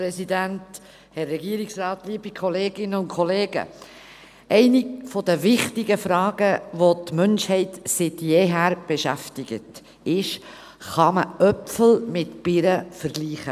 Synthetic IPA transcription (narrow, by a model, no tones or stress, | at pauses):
pɾɛsidænt | hɛrːɛɡiəɾɪksɾɑːt̪liːbikʰɔleːɡ̥ɪnːəʊnkʰɔleːɡə̰ | ʔɛɪnifɔdəvɪχtɪɡəfɾɑːɡ̥əʋotmœnʃhɛɪtsɪtjeːɦæːɾb̥eʃæftɪɡ̥ə̰t | ɪʃ | χɑməʔœpfl̩mɪtpɪɾəfəɾɡliːχə